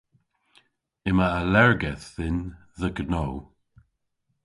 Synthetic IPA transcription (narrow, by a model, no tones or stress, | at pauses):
ɪmaːlɛɹɡɛθːɪn | ðəɡənow